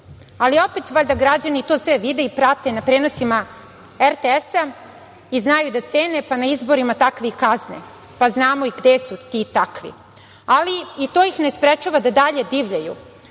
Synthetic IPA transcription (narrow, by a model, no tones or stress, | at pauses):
alio̞pet̪ʋaʎʲd̪aɡɾad͡ʑanit̪o̞ːsʋeʋid̪eipɾat̪e̞napɾe̞ːnosima | eɾt̪eesa | iznajud̪at̪se̞ːne̞panaizbo̞ɾimat̪akʋikaznḛ | paznaːmoiɡd̪esut̪it̪akʋḭ | aliit̪oːjixnespɾet͡ʃuʋad̪ad̪aʎe̞d̪iːʋʎajṵ